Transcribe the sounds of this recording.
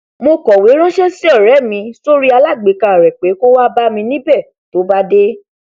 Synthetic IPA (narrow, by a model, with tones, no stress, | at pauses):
mo˧kɔ˨we˨˦ɾ̃ɔ̃˦ʃɛ˦si˦ɔ˦˨ɾɛ˨˦˨mĩ˧so˦ɾi˦a˧la˦˨ɡ͡be˨˦ka˨ɾɛ˨k͡pe˨˦ko˦wa˦ba˦mĩ˧nĩ˦bɛ˦˨ | to˨˦ba˦de˦